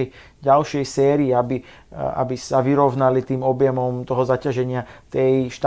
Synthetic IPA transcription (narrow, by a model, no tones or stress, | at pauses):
ɛj | ɟalʃɪɛjsɛːɾiːabi | a̰bisaʋiɾɔʋnalit̪iːmɔbjɛmɔmt̪ɔɦɔzacaʒɛɲɪat̪ɛjʃt̪